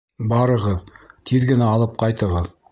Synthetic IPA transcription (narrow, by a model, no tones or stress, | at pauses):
bɑɾɤ̆ʁɤðt̪ʰiðɡɘ̆næɑlˠɤp̚qɑjt̪ɤ̆ʁɤð